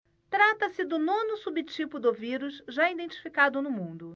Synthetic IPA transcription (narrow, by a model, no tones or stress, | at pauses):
t̪ɾat̪ɐsɪd̪ʊnõnʊsubɪt͡ʃipʊd̪ʊviɾuʃʒaid̪ẽnt͡ʃi̥fikad̪ʊnʊmũd̪ʊ